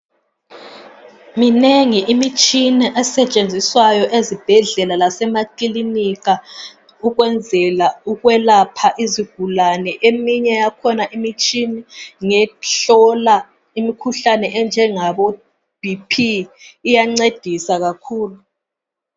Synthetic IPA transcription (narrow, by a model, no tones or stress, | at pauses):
mineŋiʔimit͡ʃʼinɛʔɛsɛt͡ʃʼend͡zʱiswajɔʔezib̥ʱɛɮɛlalasɛmakilinika | uɣwɛnd͡zʱɛlauɣwɛlapʰaʔiziɡ̥ʱulanɛʔemiɲɛjakʰɔnaʔimit͡ʃʼinɛŋɛɬɔla | imikʰuɬanɛʔɛnd͡ʒʱɛŋaβɔ | b̥ʱipʰiːjaŋ͡ǀed̥ʱisaɣakʰuːlu